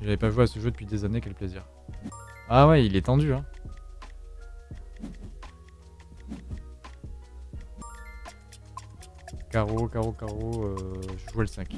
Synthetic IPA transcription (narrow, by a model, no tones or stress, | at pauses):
ʒavɛpaʒueasəʒød̪əpɥid̪ezaneakɛlpleziʁ | awɛilɛt̪ɑ̃d̪yɛ̃ | kaʁokaʁokaʁoøʒəʒuwɛləsɛ̃k